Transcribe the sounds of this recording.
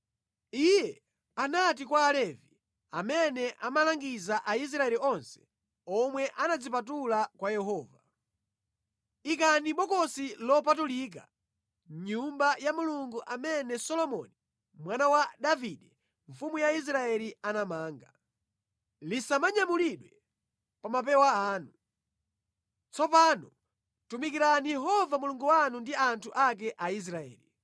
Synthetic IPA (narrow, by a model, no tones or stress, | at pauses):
ijɛ | anat̬ikwaːlɛvi | amɛnɛʔamalaŋɡizaʔais̬ɾaɛliɔnsɛ̥ | ɔmwɛʔanad͡zip̬at̬ulakwajɛɦɔːva | ik̬aniɓɔkɔsilɔpatulik̬a | ɲumbajamuluŋɡuʔamɛnɛsɔlɔmɔ̰ni | mwanawaɗaviɗɛ | ɱ̩fumujais̬ɾaɛlianamaːŋɡa | lisamaɲamuliɗwɛ | pamap̬ɛwaaːnu | t͡sɔpaːnɔ | tumikiɾanijɛɦɔvamuluŋɡuwanundiantʰuʔak̬ɛʔais̬ɾaɛ̰ːli